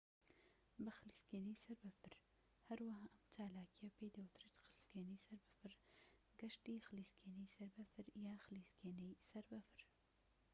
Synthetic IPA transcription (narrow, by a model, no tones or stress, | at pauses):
bɨxɨliskeːnijsɐɾbɨfɨɾ | hɐɾwahaːʔɐmt͡ʃaːlaːkijɐpeːd̪ɐwɨt̪ret̪xɨlskeːnejsɐɾbɨfɨɾ | ɡɐʃt̪iːxɨliːskeːnɛjsɐɾbɐfɨɾjaːxɨliskeːnɛjsɐɾbɨfɨɾ